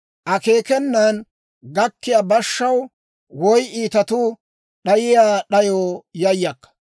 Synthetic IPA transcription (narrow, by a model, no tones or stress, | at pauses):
ʔɐke̞ːkɛnːan | ɡɐkːɪjaːbɐʃːɐw | wɔjʔiːt̪ɐt̪ʊ | ɗɐjɪjaːɗɐjoːjɐjːɐkːɐ̥